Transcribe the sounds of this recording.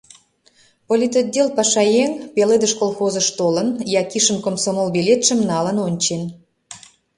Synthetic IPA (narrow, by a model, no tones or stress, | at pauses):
polʲit̪od̪̚ʲelpɑʃɑjeŋpeled̪ə̆ʃkolˠxozə̆ʃt̪olənjɑkiʃə̆mkomsomolˠbelʲet̪ʃə̆mnɑlə̆nonʲt͡ɕen